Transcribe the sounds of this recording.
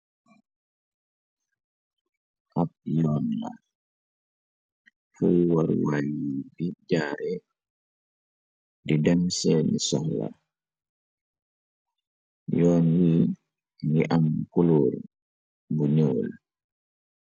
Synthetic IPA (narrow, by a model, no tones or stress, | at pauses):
ʔap̚jɔːnːa̰ | fuwaɾwajibid͡ʒaːɾɛ | didɛmsɛnisɔhla̰ | jɔːnwiː | niʔamkuloːl | buɲoːl